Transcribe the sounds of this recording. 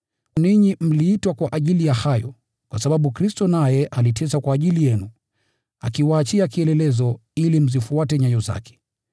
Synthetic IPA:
niɲim̩liːtwakwaʔaʄilijahajɔ̰ | kwasaɓaɓukɾistɔnajɛʔalitʰɛsakwaːʄilijɛnu | a̰kiwaːt͡ʃiakiɛlɛlɛzɔilim̩zifuatɛɲajɔza̰kɛ̥

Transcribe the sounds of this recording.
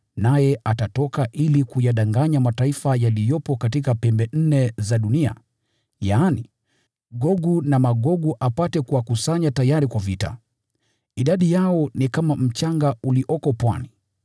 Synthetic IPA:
najɛʔatatɔkaʔilikujaɗaŋɡaɲamataifajalijɔpɔkatikapɛmbɛn̩nɛzaɗunia̰ | jaːni | ɡɔɡunamaɠɔɡuʔapatɛkuwakusaɲatajaɾikwavita̰ | iɗaɗijaɔnikamam̩t͡ʃaŋɡauliʔɔkɔpwani

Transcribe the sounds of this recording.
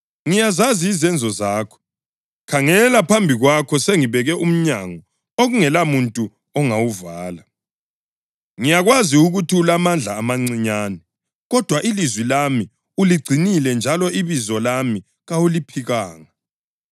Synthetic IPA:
ŋijazaziːzɛnd͡zʱɔzaːkʰɔ̥ | kʰaŋɛlapʰambʱiɣwakʰɔseŋiβɛɣɛʔum̩ɲaŋɔ | oɣuŋɛlamuntʼu | ɔŋawuvaːla | ŋijaɣwaziuɣutʰulamand͡ɮʱaːmaŋ͡ǀiɲaːnɛ | ɣɔd̥ʱwaʔilizwilami | uliɡ͡ǀʱinilɛnd͡ʒʱalɔʔiβizɔlami | ɣawulipʰiɣaːŋa

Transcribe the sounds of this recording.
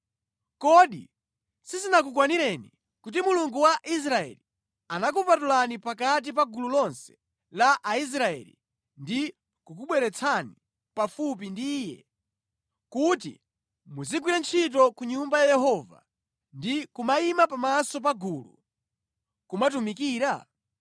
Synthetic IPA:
kɔɗḭ | sisinakukwaniɾɛnḭ | kut̬imuluŋɡuwaʔis̬ɾaɛ̰li | anak̬upatulanipak̬at̬ip̬aɡululɔnsɛ̥ | laʔais̬ɾaɛ̰lḭ | ndi | kukuɓwɛɾɛt͡sʰani | pafup̬indiːjɛ̰ | kutḭ | muziɡwiɾant͡ʃʰit̬ɔkuɲumbajajɛɦɔva̰ | ndikumaimapamasɔp̬aɡulṵ | kumat̬umikiːɾa

